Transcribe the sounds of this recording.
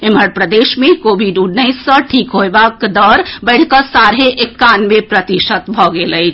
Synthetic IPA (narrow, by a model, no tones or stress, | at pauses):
eməɽpɾəd̪esmekobʱiɖuɖnəɪsːəʈʰikɦoebakd̪ɔɾbəɪɽ̤kəsaɾɦeʔekːanmepɾət̪iʃət̪bʱɔɡeləɪt͡ʃʰ